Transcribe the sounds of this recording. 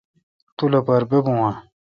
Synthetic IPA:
t̪ulɐpɐɾbebũwã

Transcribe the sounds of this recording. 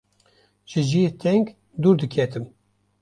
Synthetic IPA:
ʒɨʒijet̪ʰɛŋɡ | d̪uːɾd̪ɨkʰɛt̪ʰɨm

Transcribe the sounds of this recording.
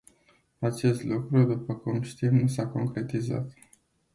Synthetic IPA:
at͡ʃe̞st̪lukɾud̪upəkumʃt̪imnusako̞ŋkɾe̞t̪iza̰t̪

